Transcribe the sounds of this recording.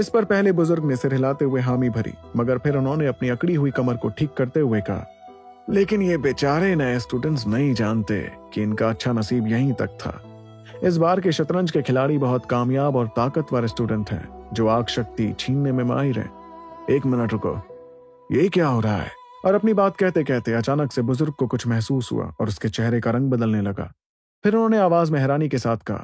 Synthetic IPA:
ɪspɐɾpɛɦlebʊzʊɾɡnẽsɪɾɦɪlaːt̪eɦʊeɦaːmibʱɐɾḭːmɐɡəɾpʰɪɾʊnɦõneɐpniɐkɽiɦʊikɐməɾkoʈʰiːkːɐɾt̪eɦʊekɐɦa̰ | leːkɪnjebeːt͡ʃaːɾenɐesʈuːɖə̃ɳʈs̬nɐɦĩd͡ʒaːnt̪ḛ | kiɪnkaɐtːʃʰanɐsiːbjɐɦĩt̪ɐk̚t̪ʰa̰ː | ɪs̬baːɾk̬eʃɐt̪ɾə̃nd͡ʒkekʰɪlaːɽibɐɦʊt̪kaːmjaːbɔːɾt̪ːaːkət̪ʋaːlesʈuːɖə̃ɳʈɦɛ̰̃ːd͡ʒoːaːkʃɐk̚t̪it͡ʃʰiːnːemẽma̰ːiɾɛ̰̃ː | eːkmɪnəʈɾʊko̰ | jeɦikjaːɦoːɾɐɦa̰ɦɛ̰ː | ɔːɾɐpnibaːt̪kɛɦt̪ekɛɦt̪eɐt͡ʃaːnəksebʊzʊɾɡ̚kokʊt͡ʃʰmɛɦsuːsɦṵa̰ɔːɾʊsket͡ʃɛɦɾekaɾɐ̃ŋɡ̚bɐd̪əlnelɐɡa̰ː | pʰɪɾʊnɦõːneaːʋaːzmɛɦɾaːnikesaːt̪ʰkɐɦa̰ː

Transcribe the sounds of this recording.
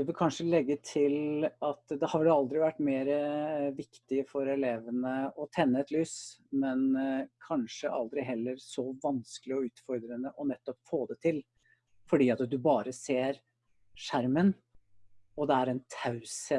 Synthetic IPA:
d̪ɛʋɪlkʰɑnʂəlɛɡːət̪ʰɪlɑt̪d̪ɛhɑɖɑld̪ɾɪʋæʈːmeːɾəʋɪkt̪ɪəfɔɾɛleːʋənəɔt̪ʰɛnːəɛt̪lyːsmɛnkʰɑnʂəʔɑld̪ɾɪɦɛlːəɾsɔʋɑnskəlɪɔʉːt̪fɔɾd̪ɾənəʔɔnɛt̪ːɔpfoːd̪ɛt̪ʰɪl | fɔɖiːɑt̪d̪ʉbɑːɾəseːɾ | ʂæɾmən | ɔd̪ɛæɾɛnt̪ʰɑʉsə

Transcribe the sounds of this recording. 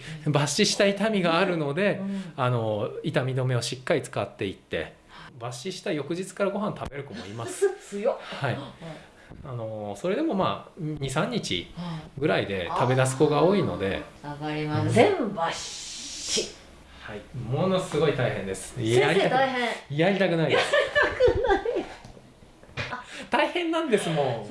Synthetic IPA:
baɕiɕi̥t̪ait̪amʲiɡaːɾɯ̟no̞d̪e̞ano̞it̪amʲid̪o̞me̞oɕikːaɾʲit͡sɨ̥kat̪ːe̞it̪ːe̞̰ | baɕiɕi̥t̪aijo̞kɯ̟ʑit͡sɨ̥kaɾaɡo̞ɦãnt̪abe̞ɾɯ̟komoimasɨ̥jhai | ano̞so̞ɾe̞d̪e̞mo̞ma̰ːɲ̟isãɲ̟ːit͡ɕḭɡɯ̟ɾaid̪e̞̰t̪abe̞d̪as̬ɨ̥ko̞ɡao̞ːino̞̰d̪e̞̰aɡaɾʲimasẽmbaɕ | i | haimo̞no̞sɨɡo̞it̪aiɦẽ̞nd̪e̞sɨ̥aɾʲiat̪aihẽjaɾʲit̪akɯ̟naiait̪akɯnai | t̪aihẽ̞nːãnd̪e̞sɨmo̞

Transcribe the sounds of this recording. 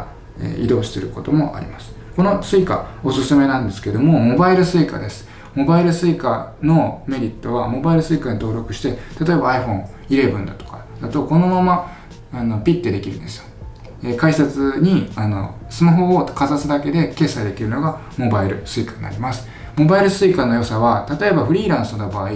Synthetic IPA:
ḛḭd̪o̞ːɕi̥seɾɯ̟ko̞t̪o̞mo̞ʔa̰ɾʲḭmasɨ̥ | ko̞no̞sɨika̰o̞sɨsɨme̞nãnd̪e̞sɨ̥ke̞d̪o̞mo̞mo̞baiɾɯ̟sɨiːka̰d̪e̞sɨ̥ | mo̞baiɾɯ̟sɨikano̞me̞ɾʲit̪ːo̞βamo̞baiɾɯ̟sɨikaɲ̟it̪o̞ːɾo̞kɯ̟̥ɕi̥t̪e̞t̪at̪o̞e̞baːiɸõ̞ɴ̃ | iɾe̞bɯ̟̃nd̪at̪o̞̥ka | d̪̥at̪o̞ko̞no̞mama | ano̞pʲit̪ːed̪e̞kʲiɾɯ̟̰̃nd̪e̞sɨjo̥ | ekaisat͡sɨɲ̟iano̞̰sɨmaɦo̞ːkazasɨd̪ake̞d̪e̞ke̞ːsaid̪e̞kʲiɾɯno̞ɡa | mo̞baiɾɯ̟sɨikaɲna̰ɾʲimasɨ̥ | mo̞baiɾɯ̟sɨiːkano̞jo̞saβat̪at̪o̞e̞baɸɯ̟ɾʲiːɾãɰ̃sɨnobaːi

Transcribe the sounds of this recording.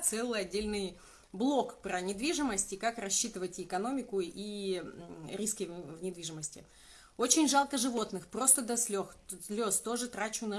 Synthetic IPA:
t̪sɛlˠɨjɐdʲːelʲnɨj | blˠo̞kpɾənʲɪd̪vʲiʐɨməsʲtʲɪkakrɐɕːit̪ɨvətʲɪkɐno̞mʲɪkʊi | ɾʲiskʲɪvnʲɪd̪vʲiʐɨməsʲtʲɪ̰ | o̞t͡ɕɪnʲʐalˠkəʐɨvo̞t̪nɨxpɾo̞st̪əd̪ɐsʲlʲoxslʲo̞st̪o̞ʐɨt̪ɾat͡ɕʊnɐ

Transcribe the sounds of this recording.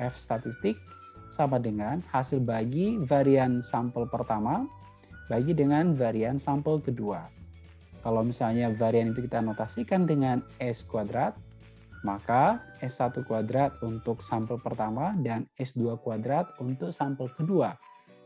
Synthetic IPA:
ɛfst̪at̪ist̪ɪk̚ | samadəŋanhasɪlbaɡivaɾiansampəlpərt̪ama | baɡidəŋanvaɾiansampəlkədua | kalawmisalɲavaɾianit̪ukit̪anot̪asikandəŋanɛskuadɾat̪̚ | makaʔɛsːat̪ukuadɾat̪̚unt̪ʊk̚sampəlpərt̪amadanɛsduakuadɾat̪̚unt̪ʊk̚sampəlkədua

